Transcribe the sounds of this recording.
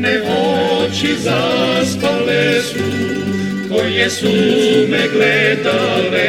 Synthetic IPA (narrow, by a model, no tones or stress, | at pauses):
nɛvɔt͡ʃizaspalɛsu | kojɛsunɛɡlɛd̪alɛ